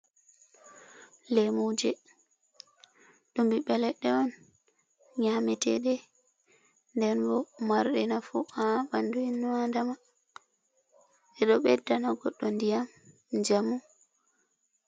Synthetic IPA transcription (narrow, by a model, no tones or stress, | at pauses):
lɛmud͡ʒɛ | ɗumbiɓɛlɛɗɛɔn | ɲamɛtɛ̰ɗɛ | ndɛnbɔmaɾɗɛnafṵabanduinːuandama | ɛɗɔɓɛdːanaɡɔɗːɔndijam | d͡ʒamu